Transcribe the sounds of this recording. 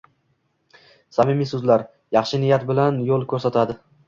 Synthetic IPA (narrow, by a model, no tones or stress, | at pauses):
samɪmisɵzlaɾ | jɑχʃɪnɪjat̪bɪlanjolˠkʲʰɵɾsat̪ʰad̪ɪ